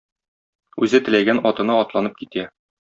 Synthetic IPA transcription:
ʉzɘt̪ɘ̆læɡænɒt̪ɤ̆nɤɒt̪lˠɑnɤp̚kit̪æ

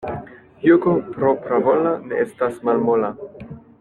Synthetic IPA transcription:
juɡopɾopɾavolaneestasmalmola

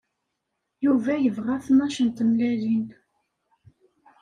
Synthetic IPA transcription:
juvæjəvʁæθnæʃənt̪əmlælin

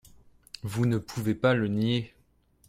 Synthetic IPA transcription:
vunəpʰuvepalənje

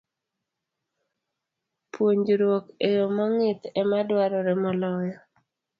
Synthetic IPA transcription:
pwoɲd͡ʒɾwokejomɔŋɪt̪ɛmadwaɾɔɾɛmɔlɔjɔ

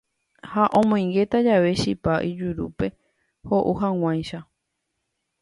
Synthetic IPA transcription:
haʔõmõj̃ŋɡe̞t̪ad͡ʒaʋe̞ʃipaʔid͡ʒuɾupe̞ | ho̞ʔuɦãw̃ãj̃ʃa

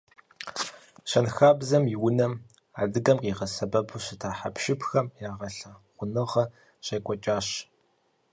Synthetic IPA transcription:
ɕɐnxaːbzɐmjɪwʊnɐm | a̰ːdɨɡɐmqiːʁɐsɐbɐbʰɨɕɪtʰaːħa̰pʃɪpxɐmjaːʁɐɬɐʁʷʊnɨʁɐ | ɕejkʷʼɔt͡ʃʼaːɕ

